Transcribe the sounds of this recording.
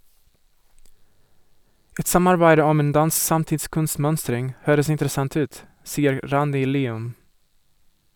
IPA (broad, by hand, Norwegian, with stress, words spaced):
ˈɛt ˈsɑmɑɾbæɪdə ˈɔm ˈeːn ˈdɑns ˈsɑmtɪtˌskʉnˌsmœnstɾɪŋ ˈhøːɾəs ɪntɾəˈsɑnθ ˈʉːt ˈsiːəɾ ˈɾɑndɪ ˈliːʉm